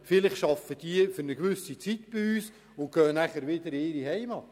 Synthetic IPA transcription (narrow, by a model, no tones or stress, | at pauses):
fɪlɪχʃɑfːəd̥iəfʏɾnəɡʋʏsit͡sit̪b̥iyːs | ʊnɡ̥œːnæχəɾʋɪd̪əɾɪːɾihɛɪmɑtː